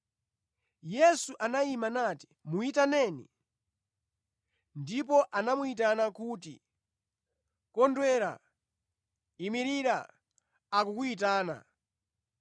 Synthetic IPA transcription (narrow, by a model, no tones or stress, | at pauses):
jɛsuʔanaimanati̥muitanɛnḭ | ndipɔʔanamuit̬anakuːtḭ | kɔndwɛɾa̰ | imiɾiɾa̰ː | kukuit̬aːna̰